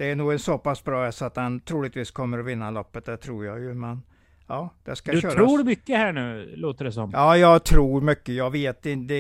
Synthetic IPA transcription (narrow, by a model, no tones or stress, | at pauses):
d̪̥ɛæɳuːɡɛnsɔpasbɾɑːɛsɔat̪hant̪ʰɾuːlɪɡ̚t̪viːskʰɔmːəɾɔvɪnːalɔpːət̪̚d̪ɛt̪ʰɾuːɾjajɵmɛn | ɑːd̪̥ɛskaʃøːɾɾuːɖmʏkːəhæɳʉ̟ːloːt̪əɖɛsɔmɑːjɑːɡt̪ʰɾuːɾmʏkːəjɑːɡveːt̪̚ɪd̪ɛ